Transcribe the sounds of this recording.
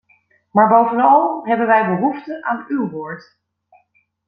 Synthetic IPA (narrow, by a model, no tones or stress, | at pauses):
maːɹbowvənɑlˠɦɛbənʋɛjbəɦuftəʔaːnywʋoːɹt